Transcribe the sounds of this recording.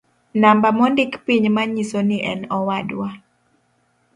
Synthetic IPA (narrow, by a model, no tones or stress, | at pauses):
nambamɔndikpiɲmaɲisoniʔɛnɔwadwa